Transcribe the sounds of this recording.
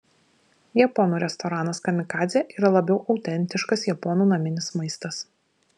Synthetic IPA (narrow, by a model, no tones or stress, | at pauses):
jɛpɔnuːɾʲɛst̪ɔɾɑːnɐskɐmʲɪkɑːzʲɛʔiːɾɐlˠɐbʲɛʊʔɒʊt̪ʲɛnʲt̪ʲɪʃkɐsjɛpɔnuːnɐmʲɪnʲɪsmɐɪst̪ɐs